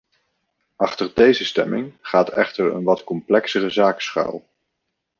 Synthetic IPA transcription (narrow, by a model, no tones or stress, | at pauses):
ɑχtəɹdejzəstɛmɪŋχaːtɛ̰χtəɹə̰nʋɑtkɔmplɛksərəzaːksχœ̰lˠ